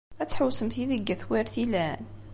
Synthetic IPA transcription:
æt͡sːħəwsəmθiðəɡːæθwæɾθilæn

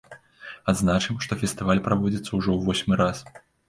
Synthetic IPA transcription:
ad̪znat͡ʂɨmʂt̪ɔfʲɛst̪ɨvalʲpɾavɔd͡zʲit̪sːɐwuʐɔwvɔsʲmɨɾas

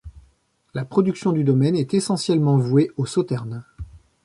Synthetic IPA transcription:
lapχɔd̪yksjɔ̃d̪yd̪ɔmɛnɛt̪esɑ̃sjɛlmɑ̃vweosɔt̪ɛʁn

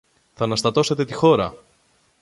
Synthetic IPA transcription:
θɐnɐst̪ɐt̪o̞se̞t̪et̪ixo̞ɾɐ̰

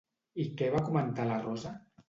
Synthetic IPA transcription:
ikɛβakumənt̪alarɔza

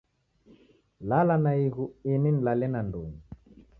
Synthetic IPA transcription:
lalanaiɣuinin̩lalɛnandoŋu

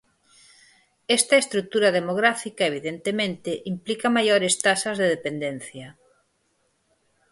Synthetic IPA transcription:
est̪aest̪ɾuk̚t̪uɾaðemoɣɾafikaeβiðent̪emẽnt̪eʔimplikamajoɾest̪asɐzðeð̞epend̪en̟θjɐ

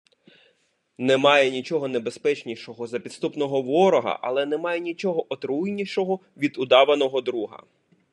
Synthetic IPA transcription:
nɛmɑjɛnʲit͡ʃɔɦɔnebe̞spɛt͡ʃnʲiʃɔɦɔzɐpʲid̪st̪upnɔɦɔʋɔɾɔɦɐ̰ʔɐlˠɛnɛmɑjɛnʲit͡ʃɔɦɔʔɔt̪ɾujnʲiʃɔɦɔ | ʋʲid̪ʊd̪ɑʋɐnɔɦɔd̪ɾuɦɐ̰

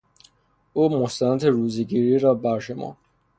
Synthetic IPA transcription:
uːmost̪ænæt̪ʰeɾuːzeɡiːɾiːɾɒːbæɾʃomɒ̰ː

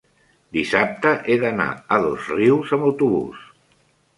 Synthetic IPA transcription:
d̪isap̚t̪əʔeðəna̰əðozriwzəməwt̪uβṵs

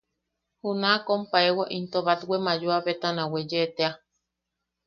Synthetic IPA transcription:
hunakompaewaʔint̪oβat̪wemajuaβet̪anãwed͡ʒet̪ea

